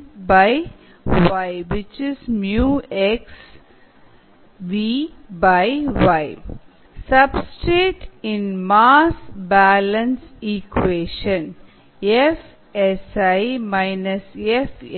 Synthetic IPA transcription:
baɪ | ʋaɪʋɪt͡ʃɪzmjuːeks | ʋibaɪʋaɪ | sʌbsʈɾeːʈɪ̃nmaːsbælə̃nsikweːʃə̃n | ef | esaɪmaɪnəsef

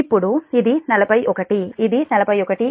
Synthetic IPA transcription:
ipːɔɽuiðinɐlɐpɐjʔɔkɐʈːiːðinɐlɐpɐjɔkɐʈːi

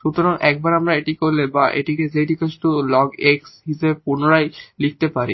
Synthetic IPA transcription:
ʃut̪oɾaŋɛk̚baɾamɾaeʈikoɾlebaʔḛʈiked͡ʑeʈikesʈulɔɡeksɦiʃebepunoɾajlik̚ʰt̪epaɾi

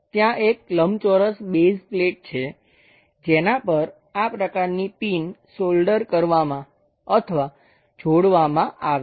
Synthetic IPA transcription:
t̪jãʔek̚ləmt͡ʃoɾəsbezpleʈ̚t͡ʃʰe | d͡ʒenapəɾ | apɾəkaɾnipinsolɖəɾkəɾʋamã | ət̪ʰəʋa | d͡ʒʱoɽʋamãʔaʋ

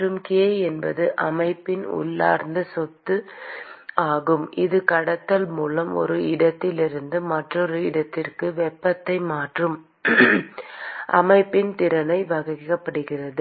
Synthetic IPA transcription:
ɾɯmkɪɐɛnbɐ̰ðɯʔɐmɐɪpːɪnʊ̰ɭːa̰ːɾnd̪ɯsɔt̪ːɯ | aːɣɯmʔɪðɯkɐɽɐt̪ːɐlmuːlɐmɔ̰ɾɯɪɽɐt̪ːɪlɪɾɯnd̪ɯmɐʈrɔɾɯɪɽɐt̪ːɪrkɯʋɛpːɐt̪ːɐɪmaːʈrɯm | ʔɐ̰mɐɪpːɪnt̪ɪɾɐnɐɪʋɐɣɪkːɐpːɐɽɯɣɪrɐðɯ

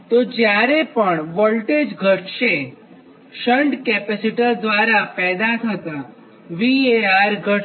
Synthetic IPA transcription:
t̪od͡ʒjaɾepəɳʋəlʈed͡ʒɡʱəʈʃe | ʃəɳɖkɛpesiʈəd̪ʋaɾapɛːd̪at̪ʰət̪a | ʋieaɾɡʱəʈ

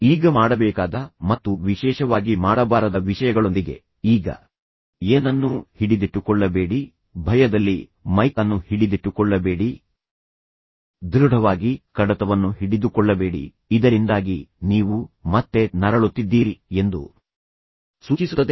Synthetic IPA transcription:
iːɡɐmaːɽɐbɛːkaːd̪ɐmɐt̪ːuʋiʃɛːʃɐʋaːɡimaːɽɐbaːɾɐd̪ɐʋiʃɐjɐɡɐɭo̞nd̪iɡe̞̰ | iːɡɐ̰ | eːnɐnːuhiɽid̪iʈːukɔɭːɐbe̞ːɽi | bʱɐjɐd̪ɐlːimɐjkɐnːuhiɽid̪iʈːukɔɭːɐbe̞ːɽi | d̪ɾuɽʱɐʋaːɡikɐɽɐt̪ɐʋɐnːuhiɽid̪ukɔɭːɐbe̞ːɽḭː | d̪ɐɾind̪aːɡiniːʋumɐt̪ːe̞nɐɾɐɭut̪ːid̪ːiːɾie̞nd̪ṵ | suːt͡ʃisuːɐd̪

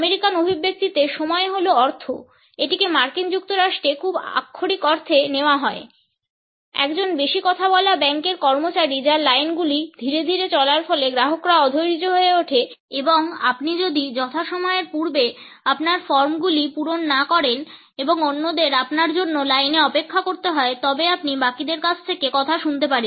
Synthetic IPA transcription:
meɾikanobʱibːek̚t̪it̪eʃɔmɔeɦoloɔɾt̪ʰo | eʈikemaɾkind͡ʑuk̚t̪oɾaʃʈɾekʰuba̰kʰːoɾikɔɾt̪ʰeneoaɦɔe | ɛ̰kd͡ʑonbeʃikɔt̪ʰabɔlabɛŋkeɾkɔɾmot͡ɕaɾid͡ʑalajnɡulid̪ʱiɾed̪ʱiɾet͡ɕɔlaɾfɔleɡɾaɦokɾaɔd̪ʱojɾid͡ʑoɦoeoʈʰe | eboŋa̰pnid͡ʑod̪id͡ʑɔt̪ʰaʃɔmɔeɾpuɾbe | apnaɾfɔɾmɡulipuɾonːakɔɾen | eboŋonːod̪eɾapnaɾd͡ʑonːolajneɔpekʰːakoɾt̪eɦɔet̪ɔbeapnibakid̪eɾkat͡ɕʰt̪ʰekekɔt̪ʰaʃunt̪epaɾe

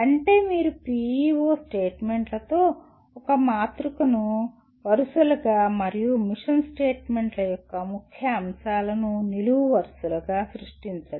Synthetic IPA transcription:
ɐɳʈe̞ːmiːɾupiːiʋoːsʈe̞ːʈme̞ɳʈlɐt̪o̞ː | ɔkɐmaːt̪ɾukɐnu | ʋɐɾusulɐɡaːmɐɾijumiʂɐnsʈeːʈme̞ɳʈlɐjɔkːɐmukʰjɐːmsaːlɐnuniluʋuʋɐɾsuluɡaːsɾiʂʈiɲt͡ʃaːɽi

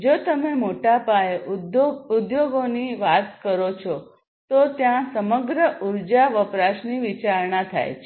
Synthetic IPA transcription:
d͡ʒot̪əmemoʈapae | ud̪joɡoniʋat̪kəɾot͡ʃʰɔ | t̪ot̪jãsəməɡɾəʔuɾd͡ʒaʋəpɾaʃniʋit͡ʃaɾɳat̪ʰa̰jt͡ʃʰe

